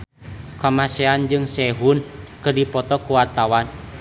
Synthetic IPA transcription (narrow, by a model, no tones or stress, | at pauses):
kamasɛand͡ʒɨŋsɛɦunkərdipɔt̪ɔkuwat̪awan